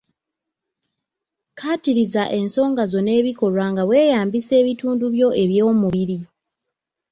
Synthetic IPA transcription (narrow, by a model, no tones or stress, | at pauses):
kʰatiɾizaʔe̞nso̞ːŋɡazo̞ne̞ːβiko̞lwaːŋɡaβwe̞ːjaːmbise̞ːβituːnduβjo̞e̞βjo̞ːmuβiɾi